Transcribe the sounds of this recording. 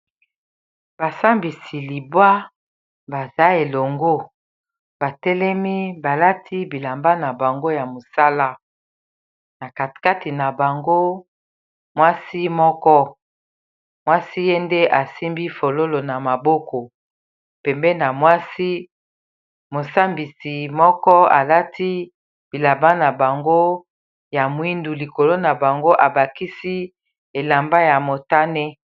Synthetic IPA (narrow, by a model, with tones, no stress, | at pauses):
ba˨sa˦mbi˨si˨li˨bwa˦ | ba˨za˦e˨lo˨ŋɡo˦ | ba˨tɛ˦lɛ˦mi˦ba˨la˦tʰi˦bi˨la˨mba˦na˨ba˨ŋɡo˦ja˨mo˨sa˦la˦ | na˨ka˨tka˦ti˨na˨ba˨ŋɡo˦ | mwa˦si˦mɔ˦kɔ˦ | mwa˦si˦je˦nde˦ʔa˨si˦mbi˦fo˨lo˦lo˨na˨ma˨bo˦kɔ˨ | pɛ˨mbɛ˦na˨mwa˦si˦ | mo˨sa˦mbi˨si˨mɔ˦kɔ˦a̰˨la˦ti˦ | b̥i˨la˨ba˦na˨ba˨ŋɡo˦ | ja˨mwi˦ndu˨li˨ko˨lo˦na˨ba˨ŋɡo˦ʔa˨ba˨ki˦si˦ | e˨la˨mba˦ja˨mo˨ta˦nɛ˦